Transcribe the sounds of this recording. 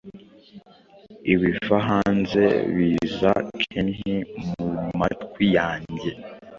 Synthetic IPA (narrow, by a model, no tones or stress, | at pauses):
iβifaɦaːnze̞̰βiːza̰t͡ʃʰenhimumatkwijaːɲɟe̞